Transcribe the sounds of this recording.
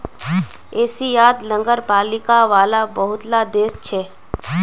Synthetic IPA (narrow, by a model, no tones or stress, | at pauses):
eːsijaːd̪lə̃ŋɡəɾpaːlɪkaʋaːlabəɦʊt̪lad̪eːst͡ʃʰɛː